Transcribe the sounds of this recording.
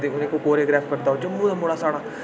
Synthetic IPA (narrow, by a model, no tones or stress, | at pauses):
d̪eːʊnẽːkoːkoːɾeːɡɾɛːpʰkəɾt̪aːoːt͡ʃəmːũːd̪amoɽaːsaːɽaː